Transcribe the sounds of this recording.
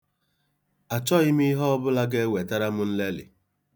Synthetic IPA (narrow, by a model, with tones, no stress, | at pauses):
a˨t͡ʃɔ˦ɪ˦mi˦ɦɔ˦ɔ˦bʊ˦la˦ɡe˦we˨ta˦ɾa˦mʊ˦n̩˦le˦lɪ̰˨